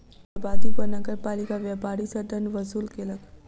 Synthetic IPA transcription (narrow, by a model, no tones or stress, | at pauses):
baːd̪upɐɾnɐɡəɾpaːlikaʋjɛːpaːɾisɐɖ̪ənʋɐsuːlkeləɡ